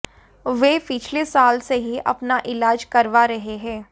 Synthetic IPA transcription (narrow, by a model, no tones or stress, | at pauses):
ʋeːpɪt͡ʃʰlesaːlseɦiʔɐpnaʔɪlaːd͡ʒkɐɾʋaɾɐɦeɦɛ̃ː